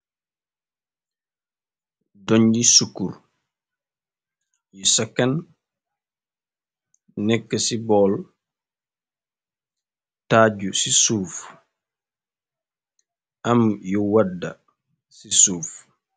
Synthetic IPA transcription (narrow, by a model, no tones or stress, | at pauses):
doɲd͡ʒisukːuɾ | jɔsakːan | nːɛkːasibɔːl | taɟusisuːf | ʔamjɔwadːa | sisuːf